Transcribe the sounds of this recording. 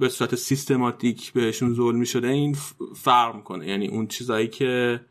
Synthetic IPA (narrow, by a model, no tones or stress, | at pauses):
be̞suːɾæt̪ʰesist̪ʰe̞mɒt̪ʰicʰbe̞heʃunzolmiʃo̞d̪eiːnfæɾmikʰo̞nejænḭːʔunt͡ʃʰiːzɒːjiːcʰe̞